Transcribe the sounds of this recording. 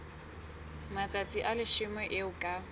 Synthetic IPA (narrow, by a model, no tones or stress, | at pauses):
mat͡sʼat͡sʼiʔalɪʃɪmwɛʔɪʊkʼa